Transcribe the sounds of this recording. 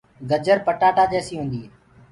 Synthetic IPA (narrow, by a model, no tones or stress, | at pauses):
ɡəd͡ʒəɾpəʈaːʈaːd͡ʒeːsiːɦũːnd̪iː